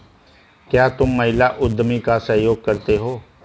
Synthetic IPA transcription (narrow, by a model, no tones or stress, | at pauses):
kjaːt̪ʊmːɐɦɪlaʔʊd̪ʱːmikasɐɦjoːɡ̚kɐɾt̪eɦoː